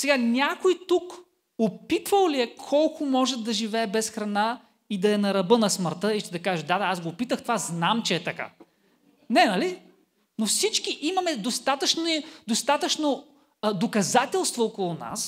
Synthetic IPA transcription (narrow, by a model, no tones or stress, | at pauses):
sɛɡanʲakojt̪uk | opit̪vəlˠliɛkʰɔlˠkʰʊmɔʒɛd̪ɐʒivɛɛbɛsxɾɐna | id̪ɐɛnɐɾɐbɤnɐsməɾt̪ɤiʃt͡ʃ̪ɛd̪ɐkaʒəd̪ad̪aasɡoːpit̪əxt̪ovaznamt͡ʃɛːt̪ɐka̰ | nɛnɐli | nofsit͡ʃkiʔimɐmɛd̪ost̪at̪ət͡ʃnid̪ost̪at̪ət͡ʃno | d̪okɐzat̪ʲɛlˠst̪vookolˠʊna̰s